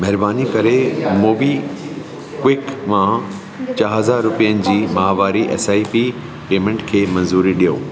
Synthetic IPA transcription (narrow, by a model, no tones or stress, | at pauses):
mɛɦɪɾbaːnikɐɾemoːbi | kwɪkmã | t͡ɕaːɦɦɐzaːɾːʊpijənɪ̆d͡ʑiːmɐɦaʋaːɾiʔɛ̰ːsaːipi | peːmẽɳʈkʰeːmɐ̃nzuːɾiɗijoː